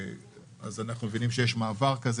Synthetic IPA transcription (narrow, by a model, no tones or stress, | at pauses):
a̰zanaχnumevinimʃejeʃmaːvaʁkaz